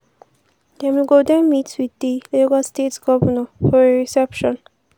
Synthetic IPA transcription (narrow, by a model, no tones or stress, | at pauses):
d̪ɛmiɡod̪ɛ̃nmitswid̪ileɡastetsɡɔbənɔfɔɾeɹisɛpʃɔ̃n